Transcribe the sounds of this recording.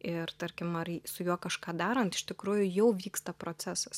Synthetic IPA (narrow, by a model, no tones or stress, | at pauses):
ɪrt̪ɐɾʲkʲɪmɐrsʊjuɔkɐʃkɑːd̪ɑːɾɐnt̪ɪ̥ʃʲt̪ʲɪkɾuːjʊjɛʊʋʲiːkst̪ɐpɾoːt͡s̪ʲæːsɐs